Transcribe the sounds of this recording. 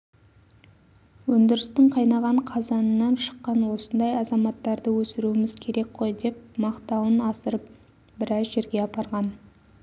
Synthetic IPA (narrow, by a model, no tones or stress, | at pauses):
wɵnd̪ɪɾɪst̪ɪɴqʰɑjnɑʁɑɴqʰɑzɑnənːɑnʃə̥qːɑnwo̞sənd̪ɑjɑzɑmɑt̪ːɑɾd̪əwɵsɪɾuɪmɪz̥kʲʰe̞ɾe̞kqʰo̞jd̪e̞p̚mɑqt̪ɑwənɑsəɾəp̚ | bɪɾɑzʒe̞ɾɡʲe̞ɑpɑɾʁɑn